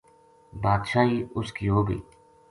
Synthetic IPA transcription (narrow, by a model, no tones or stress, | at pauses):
baːd̪ʃaːiːʊskiːɦoːɡḭː